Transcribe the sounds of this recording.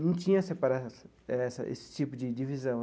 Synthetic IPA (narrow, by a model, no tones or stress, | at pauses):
nɐ̃w̃t͡ʃĩɲɐsepaɾaɛsɐ | ɛsɐ̰ʔḛsɪ̥t͡ʃipʊd͡ʒɪd͡ʒivizɐ̃w̃